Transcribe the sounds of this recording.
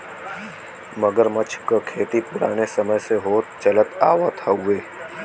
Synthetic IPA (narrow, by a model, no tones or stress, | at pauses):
mɐɡəɾmɐt͡ʃʰkakʰeːt̪ipʊɾa̰ːnesɐməjseɦoːt̪t͡ʃɐlət̪aːwat̪ʰaɦʊeː